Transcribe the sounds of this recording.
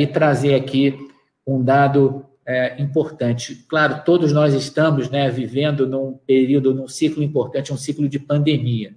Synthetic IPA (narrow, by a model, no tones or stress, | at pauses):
ɪt̪ɾazeɾaki | ũd̪ad̪ʊ | ɛĩpoɾt̪ɐ̃t͡ʃɪklaɾʊt̪od̪ʊznɔzɪst̪ɐ̃mʊznɛvivẽnd̪ʊnũpeɾiwd̪ʊnũsiklʊĩpoɾt̪ɐ̃nt͡ʃɪũsiklʊd͡ʒɪpɐ̃nd̪emiɐ